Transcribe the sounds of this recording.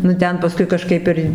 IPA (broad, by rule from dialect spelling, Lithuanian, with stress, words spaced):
nʊ ˈtʲɛn pɐˈskʊɪ kɐˈʃkɐɪp ɪr